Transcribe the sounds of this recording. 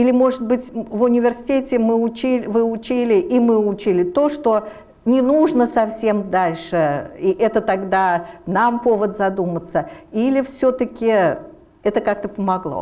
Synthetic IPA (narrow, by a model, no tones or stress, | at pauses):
ilʲɪmo̞ʐɨt̪̚bɨtʲvʊnʲɪvʲɪrsʲɪ̥tʲetʲɪmɨʊt͡ɕivɨʊt͡ɕilʲɪʔimɨʊt͡ɕilʲɪt̪o̞ʂt̪o̞ | nʲɪnuʐnəsɐfsʲe̞md̪alʲʂɨiʔɛt̪ət̪ɐɡd̪anampovət̪zɐd̪umət̪səilʲɪfsʲɵt̪əkʲɪ | ɛt̪əkak̚t̪əpəmɐɡlˠo̰